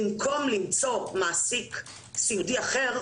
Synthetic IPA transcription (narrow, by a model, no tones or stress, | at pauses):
mko̞mlimt͡so̞maːsik | siudiaχe̞ʁ